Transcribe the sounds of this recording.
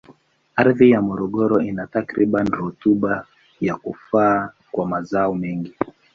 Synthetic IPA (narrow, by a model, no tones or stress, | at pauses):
aɾðijamɔɾɔɠɔɾɔinatakɾiɓanɾutuɓa | jakufaː | kwamazaɔmɛŋɡi